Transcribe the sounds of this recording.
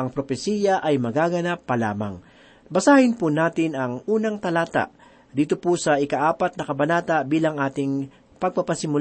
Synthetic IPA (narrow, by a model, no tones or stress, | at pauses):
ʔɐŋpɾopɛsiːjɐʔɐjmɐɡaːɡɐnapːɐla̰ːmɐ̰ŋ | bɐsaːhɪnpʊnaːt̪ɪnɐŋʔuːnɐŋt̪ɐlaːt̪a̰ʔ | d̪iːt̪opʊsɐʔɪkaʔaːpɐt̪̚nɐkɐbɐnaːt̪abiːlɐŋʔaːt̪ɪŋ | pɐɡ̚papɐsɪmʊl